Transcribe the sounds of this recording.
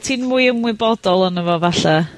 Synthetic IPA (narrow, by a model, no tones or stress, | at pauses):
tʰiːnmuːjəmwɪbɔdɔlˠɔnəvɔvaɬa